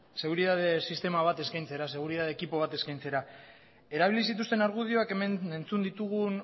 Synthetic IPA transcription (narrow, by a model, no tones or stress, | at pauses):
se̞ɣ̞uɾiðað̞e̞sist̪e̞maβat̪e̞skajnt͡se̞ɾase̞ɣ̞uɾiðað̞ekipo̞β̞at̪e̞skajnt͡se̞ɾa | e̞ɾaβilisit̪̬ust̪e̞naɾɣ̞uðio̞ake̞mene̞nt͡sund̪it̪uɣun